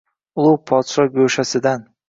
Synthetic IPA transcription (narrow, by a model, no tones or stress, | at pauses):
ʊlˠʊwpʰɒt̪ʃɒɡɵʃasɪd̪an